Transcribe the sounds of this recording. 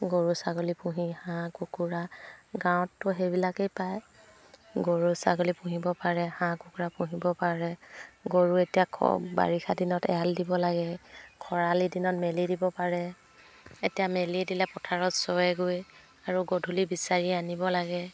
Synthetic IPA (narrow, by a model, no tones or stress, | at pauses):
ɡoɹusaɡolipũɦihãkukuɹaɡãwɔ̃tːʊɦejbilakejpaj | ɡoɹusaɡolipũɦibɔpaɹɛhãkukuɹapũɦibɔpaɹɛɡoɹuetijakʰba̰ɹixʰadinɔtɛ̰aldibɔlaɡɛkʰɔɹalidinɔtmelidibɔpaɹɛ | etijamelidilɛpɔtʰaɹɔtsɔjɛɡoj | aɹuɡodʱulibisaɹianibɔlaɡɛ